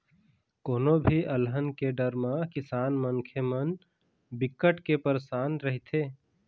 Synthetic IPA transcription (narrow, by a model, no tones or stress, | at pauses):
koːnobʱiʔəlɦənkeɖəɾmãkɪsaːnmənkʰemən | bɪkːəʈkepəɾsaːnɾəɦt̪ʰeː